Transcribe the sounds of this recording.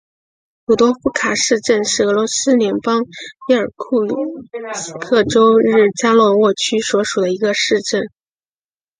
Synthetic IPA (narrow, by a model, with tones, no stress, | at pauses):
pu˨˩t̪wɔ˥fu˥kʰa˨˩ʂɻ̩˥˧ʈ͡ʂə˥˧nʂɻ̩˥˩ɤ˧˥lwɔ˧˥sɹ̩˥ljɛ˧˥npɑ˥ŋi˧˥ə˞˨˩kʰu˥˩lu˨˩s̩˥kʰɤ˥˩ʈ͡ʂo˥ʊɻɻ̩˥˩t͡ɕja˥lwɔ˧˥wɔ˥˩t͡ɕʰy˥swɔ˧˥ʂu˨˩d̪ə˦i˧˥ɡə˧ʂɻ̩˥˧ʈ͡ʂə˥˩n